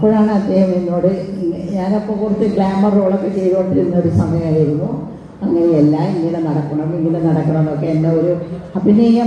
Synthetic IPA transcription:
ɐpːoɻaːɳɨɐd̪ːe̞ːhɐmenːoːɽɨɲaːnɐpːoːkurit̪ːɨɡɭaːmɐroːɭokːet͡ɕːejðoːʈːiɾunːɐoɾusɐŋɡɐjaːjiɾunːo | ɐŋːɐneelːaːiŋːinenɐɽɐkːɐɳɐmiŋːilenɐɽɐkːɐɳɐmokːeendeoɾuɐpːinːeŋːɐ

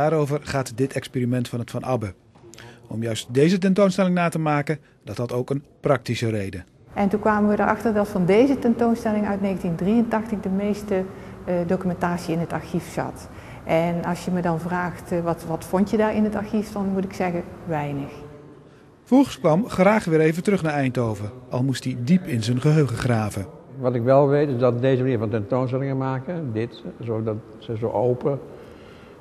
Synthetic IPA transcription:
aːɾowvərχaːtdɪtɛkspeːrimɛntfɑnətfɑnʔɑbə | ɔmjœɥst̚dejzət̬ɛntownstɛlɪŋnaːtəmaːkə | dɑtɦɑtowkənprɑk̚tisərejdə | ʔɛntunkʋaːməʋədəɹʔɑ̰xtərdɑtfɑndejzətɛntownstɛlɪŋœ̰ɥtnejɣəntindrijəntɑxtəɣdəmejstə | dokymɛntaːsiɪnɦətɑ̰ɹxifsɑ̰t | ʔɛnɑsjəmədɑnvraːxtʋɑtʋɑtfɔntjədaːɹɪnɦətɑɹxiffɑnmutɪksɛɣəʋɛjnəx | v̥ɔχəskʋɑmχraːχʋɪːɹejvətərɵχnaːɹɛjntowvərʔɑ̰lˠmustidipɪnzənχəɦøɥχəχraːvəʋɑtɪkʋɛlˠʋejtɪzdɑtdejzəmaniːɹvɑntɛntownsəlɪŋəmaːkədɪtzɔdɑt | səzo̰wʔowpə

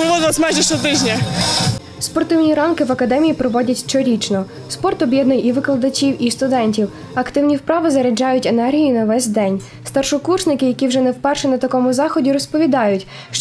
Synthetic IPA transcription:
ɾɪʋɔd̪ɪlˠɐsʲmaʒɛʃt͡ʃɔt̪ɪʒnʲɐ | spɔrt̪ɪwnʲiɾɑnkɪʋɐkɐd̪ɛmʲijipɾɔʋɔdʲɐtʲt͡ʃɔɾʲit͡ʃnɔ | spɔrt̪ɔbʲjɛd̪nʊjiʋɪklˠɐd̪ɐt͡ʃʲiwist̪ʊd̪ɛnʲtʲiw | ɐkt̪ɪwnʲiwpɾɑʋɪzɐɾɐd͡ʒɑjʊtʲenɛrɦʲijinɐʋɛsʲd̪ɛnʲ | st̪ɐrʃɔkurʃnɪkɪjɐkʲiwʒɛnɛwpɛrʃɛnɐt̪ɐkɔmʊzɑxɔdʲiɾɔspɔʋʲid̪ɑjʊtʲ | ʃ

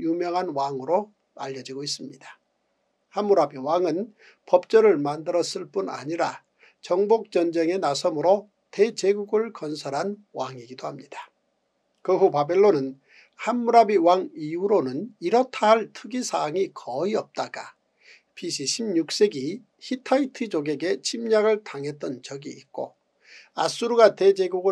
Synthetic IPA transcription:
jumjʌŋɦanwaŋɯɾo | a̰ʎːʌd͡ʑiɡois̬͈ɯmɲid̥ḁ | hamːuɾabiwaŋɯn | pʌp̚t͡ɕ͈ʌɾɯɭmandɯɾʌs͈ɯɭp͈una̰ɲiɾa | t͡ɕʌŋbok̚t͡ɕ͈ʌnd͡ʑeŋe̞nasʰʌmɯɾo | te̞t͡ɕe̞ɡuɡɯɭkʌnsʰʌɾɦan | waŋiɡidohamɲid̥ḁ | kɯɦupabe̞ɭːonɯn | hanːuɾabiwaŋiuɾonɯniɾʌtʰaɦaɭtʰɯɡisʰaŋikʰʌiʌp̚t͈aɡ̥a̰ | pʰiɕʰiɕʰimɲuk̚s͈e̞ɡi | çitʰaitʰɯd͡ʑoɡe̞ɡe̞t͡ɕʰimɲaɡɯɭtaŋɦe̞t̚t͈ʌnt͡ɕʌɡiːt̚k͈o̰ | as͈uɾuɡate̞d͡ʑe̞ɡuɡɯ

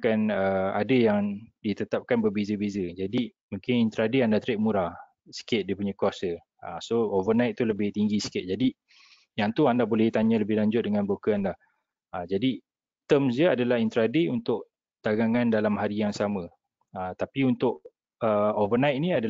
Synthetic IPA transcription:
kanəadəjaŋdit̪ət̪ap̚kanbərbezəbezəd͡ʒadi | muŋkɪnint̪əɾadeandat̪əɾɪk̚muɾa | sə̥kɪt̪̚dipuɲãkwasə | əsoovənajt̪̚ːuləbɪht̪iŋɡisi̥kɪt̪̚d͡ʒadi | jaŋt̪uandabolɛht̪aɲə̃ləbɪhlaɲd͡ʒʊt̪̚dəŋanbokəanlah | əd͡ʒadi | t̪əmsd͡ʒiəadalahint̪əɾadeunt̪ʊʔ̚ | t̪aɡaŋandalamɦaɾijaŋsamə̃ | ət̪apiunt̪ʊʔ̚ | əovənajt̪̚niada

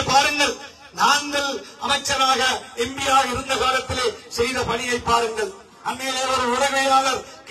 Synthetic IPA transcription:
pːaːɾɯŋɡɐɭ | naːŋɡɐlɐmɐɪt͡ʃːɐnaːɣɐɛmbɪjaːɣɪɾɯnd̪ɐkaːlɐt̪ːɪleːsɛjðɐpɐɳɪjɐɪpːaːɾɯŋɡɐɭ | ʔɐnmeːlɔɾɯʊɾɐɣɐaːlɐɾ | k

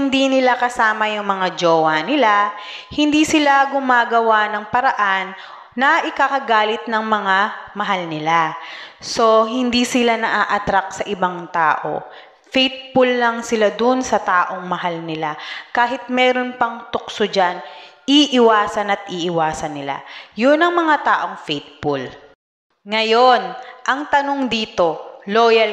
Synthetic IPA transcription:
nd̪iːnɪlakɐsaːmɐjʊŋmɐŋad͡ʒoːwɐnɪlahɪnd̪iːsɪlaɡʊmaːɡɐwanɐŋpɐɾɐʔanː | ɐʔɪkakɐɡaːlɪt̪̚nɐŋmɐŋamɐɦalnɪlaso̞ɦɪnd̪iːsɪlanɐʔaːʔɐt̪ɾak̚sɐʔɪbaŋt̪a̰ːʔo̞̰ | fɛjt̪̚pʊlːɐŋsɪlad̪onsɐt̪aːʔo̞ŋmɐɦalnɪlakaːɦɪt̪̚mɛːɾo̞npɐŋt̪ʊk̚sod͡ʒan | iʔɪwaːsɐnɐt̪̚ʔiːʔɪwaːsɐnːɪla̰jʊnɐŋmɐŋat̪aːʔo̞ŋfɛt̪̚pul | ŋɐjo̞nʔɐŋt̪ɐno̞ŋd̪iːt̪o̞loːjɐl

